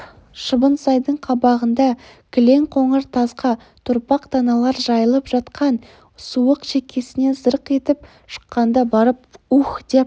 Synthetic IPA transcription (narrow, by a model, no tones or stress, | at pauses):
ʃəbənsɑjd̪əɴqʰɑbɑʁənd̪ɑ | kʲʰɪle̞ŋqʰoɴəɾt̪ʰɑsqɑ | t̪ʰʊɾpɑqt̪ʰɑnɑlˠɑɾʒɑjəlˠəpʒ̥ɑt̪qʰɑn | suəqʃekʲʰe̞sɪne̞zəɾəqe̞t̪ɪp̚ | ʃə̥qːɑnd̪ɑbɑɾəp̚uχd̪̥ep